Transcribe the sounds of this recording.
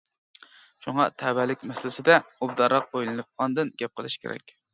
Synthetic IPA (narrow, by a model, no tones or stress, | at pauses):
ʃuŋɑt̪ʰɛbælɪkʲmɛsɪlɪsɪd̪ɛub̚d̪ɑɾlɑq̚bojlˠɨnɨp̚ɑnd̪ɨnɡʲɛp̚qʰəlˠɨʃkʲʰḛɾʔɛ̰kʲ